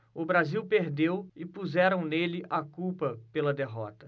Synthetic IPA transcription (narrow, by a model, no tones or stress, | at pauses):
ʊbɾaziwpeɾd̪ewɪpuzɛɾɐ̃w̃nelɪʔakuwpɐpelɐd̪eɦɔ̰t̪ɐ